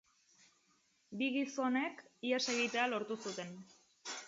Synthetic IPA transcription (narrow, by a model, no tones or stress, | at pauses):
biɣiso̞ne̞kiase̞ɣ̞it̪ealo̞ɾt̪usut̪e̞n